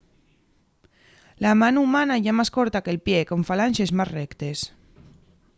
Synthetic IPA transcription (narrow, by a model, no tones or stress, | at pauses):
lamanumanajʝamaskoɾt̪akelpjekoɱfalanʲʃezmazrekt̪es